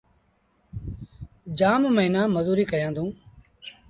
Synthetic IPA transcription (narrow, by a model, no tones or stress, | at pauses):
d͡ʒaːmməɦnãːməzuːɾiːkəɾjãːd̪ũː